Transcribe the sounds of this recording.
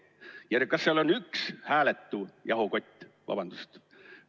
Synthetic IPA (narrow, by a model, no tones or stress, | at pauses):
jærkɑsːeɑlonːykshæːlet̪ːujɑɦoko̞t̪ʲːvɑ̰b̥ɑnd̪̥ust̪